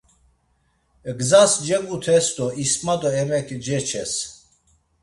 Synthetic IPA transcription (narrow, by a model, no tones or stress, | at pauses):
ɡzasd͡ʒɛɡut̪ʰɛst̪ɔismad̪ɔɛmɛkʰd͡ʒɛt͡ʃʰɛs